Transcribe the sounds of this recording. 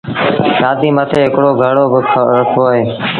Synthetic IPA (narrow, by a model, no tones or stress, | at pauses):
jaːd̪iːmət̪ʰeːɦɪkɽoːɡʱəɽoːbʰəkʰoːɦeː